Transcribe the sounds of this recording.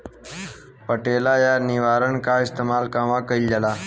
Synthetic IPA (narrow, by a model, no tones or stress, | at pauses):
pəʈelajaniʋaɾəɳkaist̪emalkãʋakəild͡ʑala